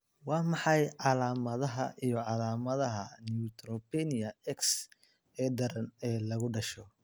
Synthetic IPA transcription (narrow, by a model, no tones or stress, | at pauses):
wɑːmɑħɑjʕɑlaːmɐðɐɦɐ̰ʔijɞʕɑlaːmɐðɐɦɐnut̪ɾɔpɛnɪɐɛks | ɛːd̪ɐɾɐnɛːlɐɣʊɖɐʃɔ